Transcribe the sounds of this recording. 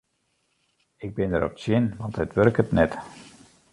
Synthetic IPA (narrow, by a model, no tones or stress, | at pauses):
ɪɡ̚bɪndəɾɔ̰p̚sjɪnʋɑnthətʋørkətnɛt